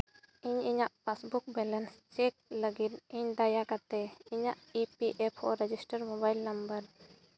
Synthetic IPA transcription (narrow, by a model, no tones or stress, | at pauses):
iɲiɲaʔpasbuk̚bɛlɛnst͡ʃɛk̚ləɡit̪iɲd̪ajakat̪ɛiɲaʔipiʔɛpʰɔ̰ɾɛd͡ʒisʈəɾmobajlnɐmbəɾ